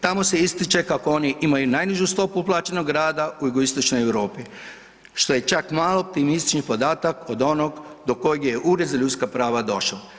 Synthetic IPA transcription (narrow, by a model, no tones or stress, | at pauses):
t̪amose̞ist̪it͡ʃe̞kakoo̞niʔimajunajniʒust̪o̞puplˠaːt͡ʃenoɡɾaːd̪auuɡoist̪o̞t͡ʃnojewɾo̞ːpi | ʃt̪o̞je̞t͡ʃakmaːlˠoːp̚t̪imist̪i̥t͡ʃnixpo̞d̪aːt̪akod̪o̞noɡd̪o̞ko̞jeɡjeʔuːɾezaʎut̪skapɾaːʋad̪o̞ʃla